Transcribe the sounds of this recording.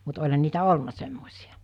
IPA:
mut olʲhɑn niːtæ olnɑ semːosʲijɑ̥

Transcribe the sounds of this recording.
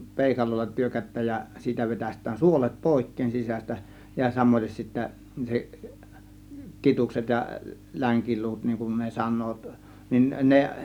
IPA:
peˑikɑlolːɑ tyrkætˑæːj jɑ siːtæ ʋetæstˑæːn suolet poˑe̝kːeːn sisæs̆tæ jɑ sɑmoites sitːæ se kitukset jɑ læŋkiluːt niŋ kun ne sɑnˑoːt nin ne

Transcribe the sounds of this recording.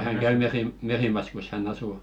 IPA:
hæŋ kæy merim merimɑskus hænː ɑsuˑ

